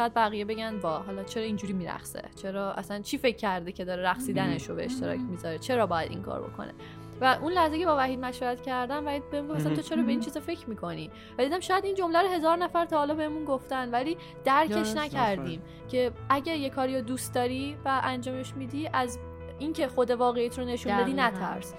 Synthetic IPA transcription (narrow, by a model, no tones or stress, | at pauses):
ʃɔjæd̪̚bæɣijebe̞ɟænd̪vɒːɦɒːlɒːt͡ʃʰe̞ɾɒːind͡ʒuɾiːmiɾæ̰xsḛt͡ʃʰe̞ɾɒːʔæ̰sænt͡ʃʰife̞cʰːæɾd̪ecʰe̞d̪ɒːɾeɾæxsiːd̪æne̞ʃɾobeeʃt̪e̞ɾɒ̰ːcʰmizɒɾet͡ʃʰe̞ɾɒːbɒːjæd̪ḭŋkʰɒ̰ɾbo̞̰kʰo̞̰nḛ | væʔunlæhzecʰe̞bɒːvæhid̪̚mæʃvæɾæt̪cʰæɾd̪æmbæhid̪̚beemuŋɡofæsæmt̪ʰot͡ʃʰe̞ɾɒːbe̞iːnt͡ʃʰizɒfe̞cʰɾmiːkʰo̞ni | væd̪id̪æmʃɒːjæd̪ind͡ʒo̞mlæɾoɦe̞zɒːɾnæfæɾt̪ʰɒːhːlɒbe̞hemunɡoft̪ænvæliː | d̪̥æɾkʰe̞ʃnæcʰæɾd̪iːm | cʰeʔæɟæɾjekʰɒːɾiɾod̪ust̪̚d̪ɒːɾivæʔænd͡ʒɒːme̞ʃmiːd̪iʔæz | incʰe̞xod̪e̞vɒːɣejæːt̪ʰɾone̞ʃunnɒd̪iːnæt̪ʰæ̰ɾs